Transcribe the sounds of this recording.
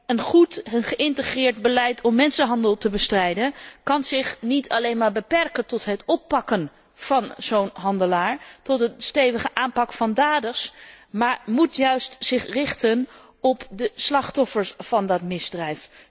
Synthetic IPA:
ənχutənχəʔɪntəχrɪːɹdbəlɛjtʰɔmːɛnsənɦɑndəlˠtəbəstrɛjdənkɑnzɪχnitʰɑlejnmaːɹbəpɛrkəntɔtɦətɔpːɑkən | v̥ɑnzownɦɑndəlaːɹtɔtənstejvəχəʔaːmpɑkfɑndaːdəsmaːɹmutjœɥstz̥ɪχrɪχtən | ɔpdəslɑχtɔfəɹsfɑndɑtmɪzdrɛjf

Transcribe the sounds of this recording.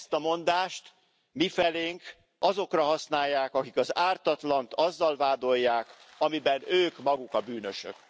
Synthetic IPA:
st̪ɒmo̞nd̪aːʃt̪ | mifɛleːŋk | ɒzo̞krɒɦɒsnaːjːaːkɒkikɒzaːrt̪ɒt̪lɒnt̪ɒzːɒlvaːd̪o̞jːaːk | ɒmibɛnøːkmɒɡukɒbyːnøʃø̰k

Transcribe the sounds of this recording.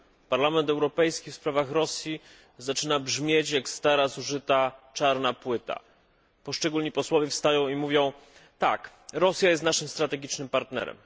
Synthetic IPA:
paɾlamɛnt̪ɛwɾɔpɛjskʲifspɾavaxɾɔsʲji | zat͡ʂɘnabʐmʲjet͡ɕjakst̪aɾasuʐɘt̪at͡ʂaɾnapwɘt̪a̰ | pɔʂt͡ʂɛɡulɲipɔswɔvʲɛfst̪ajɔ̃w̃imuvʲjɔ̃w̃t̪a̰k | ɾɔsʲjajɛst̪naʂɘmst̪ɾat̪ɛɡʲit͡ʂnɘmpaɾt̪nɛ̰ɾɛ̰m

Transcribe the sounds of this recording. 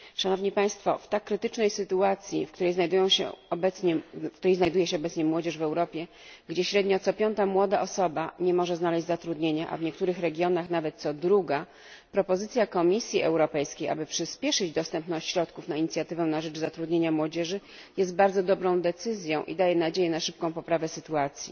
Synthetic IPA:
ʂanɔvɲipaj̃st̪fɔ̰ft̪akːɾɘt̪ɘt͡ʂnɛjsɘt̪uat̪sʲjḭfkt̪uɾɛjznajd̪ujɔ̃w̃ɕɛ̰ɔbɛt̪sɲɛkt̪uɾɛjznajd̪ujɛɕɛɔbɛt̪sɲɛmwɔd͡ʑɛʐvɛwɾɔpʲjɛ | ɡd͡ʑɛɕɾɛd̪ɲɔt̪sɔpʲjɔnt̪amwɔd̪aʔɔsɔbaɲɛmɔʐɛznalɛʑd͡ʑzat̪ɾud̪ɲeɲaʔa̰vɲɛk̚t̪uɾɘxɾɛɡʲjɔnaxnavɛt̪̚t̪sɔd̪ɾuɡa | pɾɔpɔzɘt̪sʲjakɔmʲisʲjiɛ̰wɾɔpɛjskʲejʔa̰bɘpʂɘspʲjɛʂɘd͡ʑd̪ɔst̪ɛmpnɔ̃t͡ɕɕɾɔt̪kufnaiɲit̪sʲjat̪ɘvɛnaʐɛt͡ʂzat̪ɾud̪ɲeɲamwɔd͡ʑɛʐɘ | jɛst̪̚baɾd̪zɔd̪ɔbɾɔ̃w̃d̪ɛt̪sɘzʲjɔ̃w̃ʔḭd̪ajɛnad͡ʑejɛnaʂɘp̚kɔ̃w̃pɔpɾavɛsɘt̪uat̪sʲjḭ

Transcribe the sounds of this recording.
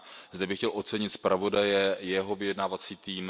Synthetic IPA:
zd̪ɛbɪxcɛlʔo̞t̪t͡sɛɲɪt̪spɾʔavo̞dajɛjɛɦo̞vɪjɛdnaːvat͡siːt̪iːm

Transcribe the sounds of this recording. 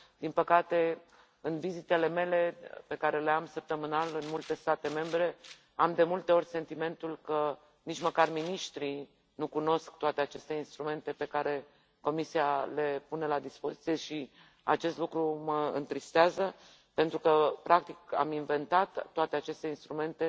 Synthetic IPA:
d̪̥inpəkat̪e̞ | ɨnvizit̪e̞le̞me̞le̞pe̞kaɾe̞leamsəp̚t̪əmɨnalɨnmult̪e̞st̪at̪e̞me̞mbɾe̞ | amd̪e̞mult̪e̞o̞rʲse̞nt̪ime̞nt̪ulkə | nit͡ʃməkarminiʃt̪ɾi | nukuno̞sk̚t̪oat̪e̞at͡ʃe̞st̪e̞inst̪ɾume̞nt̪e̞pe̞kaɾe̞ | ko̞misiale̞pune̞lad̪ispo̞zit̪sije̞ʃi | at͡ʃe̞st̪lukɾuməɨ̰nt̪ɾist̪eazə | pe̞nt̪ɾukəpɾʔak̚t̪ika̰minve̞nt̪at̪ːoat̪e̞at͡ʃe̞st̪einst̪ɾume̞nt̪e̞

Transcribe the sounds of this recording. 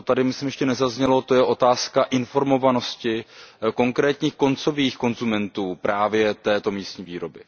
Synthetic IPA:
t̪adɪmɪsimjɛʃcɛnɛzazɲɛlo̞t̪o̞jɛʔo̞t̪aːskaʔɪnfo̞ɾmo̞vano̞scɪko̞ŋkɾɛːt̪ɲiːxko̞nt͡so̞viːxko̞nzumɛnt̪uːpɾʔaːvjɛt̪ɛːt̪o̞miːst̪ɲiːviːɾo̞bɪ

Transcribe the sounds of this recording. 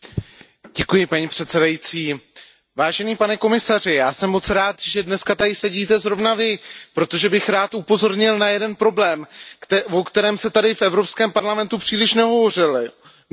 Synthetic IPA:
ɟ̥ɛkujɪpaɲiːpr̥ɛt̪sɛdajit͡siː | vaːʒɛniːpanɛko̞mɪsar̝ɪjaːsɛmːo̞t͡sɾaːt̪ʒɛdnɛskat̪adɪsɛɟiːt̪ɛzɾo̞vnavɪpɾo̞t̪o̞ʒɛbɪxɾaːt̪ʔupo̞zo̞ɾɲɪlnajɛdɛnpɾo̞blɛːmvokt̪ɛɾɛːmsɛt̪adɪfʔɛvɾo̞pskɛːmpaɾlamɛnt̪upr̥iːlɪʃnɛɦo̞vo̞r̝ɪlɪ

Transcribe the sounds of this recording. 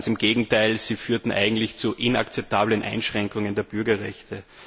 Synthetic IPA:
sɪmɡeːɡŋ̩tʰaɪlz̥iːfyːɐtn̩ʔa̰ɪɡŋ̩tlɪçt͡suʔɪna̰kt͡sɛp̚tʰaːblənʔa̰ɪnʃʁ̥ɛŋkʊŋəndeːɐb̥ʏɐɡɐʁɛçtʰə

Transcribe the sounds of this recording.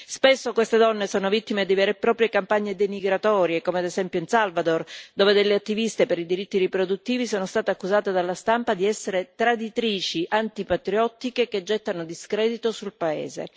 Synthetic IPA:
spesːokwest̪ed̪ɔnːesoːnovit̪ːimed̪ivɛːɾepɾɔːpɾjekampaɲːed̪emiɡɾat̪ɔːɾjekomead̪ezɛmpjoinsalvad̪ord̪oːved̪elːeat̪ːivist̪epeɾid̪iɾit̪ːiɾipɾod̪ut̪ːiːvisoːnost̪aːt̪eakːuzaːt̪ed̪alːast̪ampad̪iɛsːeɾet̪ɾad̪it̪ɾiːt͡ʃiʔant̪ipat̪ɾiɔt̪ːikeked͡ʒːɛt̪ːanod̪iskɾɛːd̪it̪osulpaḛːzḛ

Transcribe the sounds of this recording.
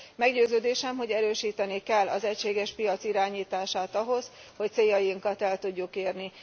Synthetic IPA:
mɛɡɟøːzøːd̪eːʃɛmɦo̞ɟɛɾøːʃiːt̪ɛnikɛlːʔɒ̰zɛcʃeːɡɛʃpijɒt̪siɾaːɲiːt̪aːʃaːt̪ɒɦo̞z | ho̞c̚t̪seːjːɒjiŋkɒt̪ɛlt̪uɟːukeːrni

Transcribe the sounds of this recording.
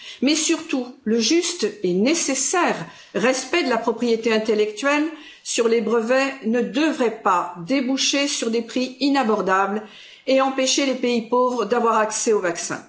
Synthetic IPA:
mɛsyʁt̪uləʒyst̪ɛnesesɛʁː | ɛspɛd̪əlapχɔpχijet̪eɛ̃t̪elɛk̚t̪ɥɛl | syʁlebʁəvɛnəd̪əvʁɛpad̪ebuʃesyʁd̪epχiinabɔʁd̪abl | eɑ̃peʃelepeipovʁəd̪avwaʁaksɛovaksɛ̰̃

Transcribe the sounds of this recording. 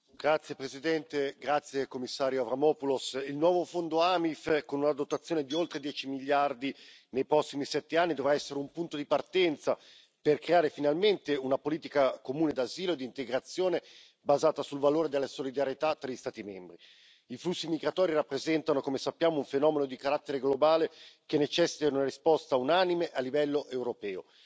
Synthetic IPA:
ɡ̥ɾat̪sːjepɾezid̪ɛnt̪eɡɾat̪sːjekomːisːaːɾjoavɾamɔːpulosilnwɔːvofond̪oamifkonunad̪ot̪at̪sːjoːned̪iolt̪ɾed̪jɛːt͡ʃimiʎːard̪i | nejpɾɔsːimisɛt̪ːeanːid̪ovɾaɛsːeɾeumpunt̪od̪ipart̪ɛnt̪sa | perkɾeaːɾefinalment̪eunapoliːt̪ikakomuːned̪aziːloed̪int̪eɡɾat̪sːjoːne | bazaːt̪asulvaloːɾed̪elːasolid̪aɾjet̪at̪ːɾaʎist̪aːt̪imɛmbɾi | iflusːimiɡɾat̪ɔːɾirapːɾezɛnt̪anokomesapːjaːmouɱfenɔːmenod̪ikaɾat̪ːeɾeɡlobaːlekenːet͡ʃɛsːi̥t̪aunarispɔst̪aunanimeʔalːivɛlːoʔewɾopɛːo̰

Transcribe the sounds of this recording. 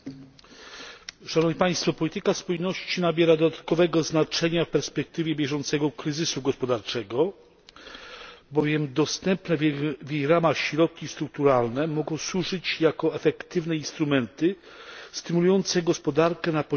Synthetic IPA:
ʂanɔvɲʲipaj̃st̪fɔpɔlʲit̪ɘkaspujnɔɕt͡ɕinabʲjɛɾad̪ɔd̪at̪̚kɔvɛɡɔznat͡ʂɛɲafpɛɾspɛk̚t̪ɘvʲjɛbʲjɛʐɔnt̪sɛɡɔkɾɘzɘsuɡɔspɔd̪aɾt͡ʂɛɡɔ | bɔvʲjɛmd̪ɔst̪ɛmpnɛvʲjejɾamaxɕɾɔt̪̚kʲist̪ɾuk̚t̪uɾalnɛmɔɡɔ̃w̃swuʐɘt͡ɕjakɔɛfɛkt̪ɘvnɛinst̪ɾumɛnt̪ɘ | st̪ɘmulujɔnt̪sɛɡɔspɔd̪aɾkɛnapɔ

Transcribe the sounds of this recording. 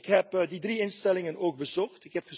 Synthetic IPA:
kɦɛpdidriɪnstɛlɪŋənoːɡ̚bəzɔχtɪkɦɛpχə

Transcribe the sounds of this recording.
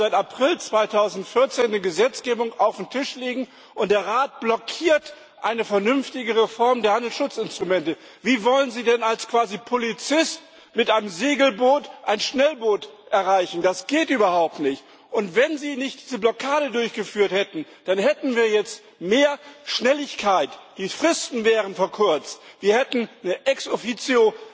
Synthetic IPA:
zaɪtapʁ̥ɪlt͡sv̥aɪtʰaʊzn̩tfɪɐt͡seːndiːɡəzɛt͡sɡ̥eːbʊŋaʊfm̩tʰɪʃleːɡŋ̩ | ʔʊntd̥eːɐʁaːt̚b̥lɔkʰiːɐt | ʔaɪnəfɛɐnʏnftɪɡəʁefɔɐmdeɐhandl̩sʃʊt͡sɪnstʁ̥umɛntə | viːvɔlənziːdɛnalskv̥aːzipʰolit͡sɪst | mɪtʔaɪnəmzeːɡl̩boːtʔa̰ɪnʃnɛlboːtʔɛɐʁaɪçn̩dasɡ̥eːtʔyːbɐhaʊp̚tnɪçt | ʔʊntv̥ɛnziːnɪçt̚d̥iːzəblɔkʰaːɾədʊɐçɡ̥əfyːɐthɛtn̩d̥anhɛtn̩viːɐjɛt͡st | meːɐʃnɛlɪçkʰaɪtd̥iːfʁ̥ɪstn̩vɛːʁ̞ənfɛɐkʰʊɐt͡stv̥iːɐhɛtn̩nəʔɛksofit͡sjo

